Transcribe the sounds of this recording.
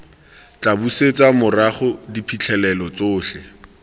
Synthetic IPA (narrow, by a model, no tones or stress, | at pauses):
t͡ɬʼabuset͡samʊraχʊdipʰit͡ɬʰɛlɛlɔt͡soːɬɛ